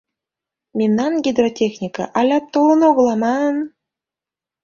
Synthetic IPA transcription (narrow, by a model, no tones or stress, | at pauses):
mʲemnɑnɡʲid̪rotʲexnʲikə̰ʔɑlʲɑt̪ːolˠə̆noɣɤ̆lˠɑmɑn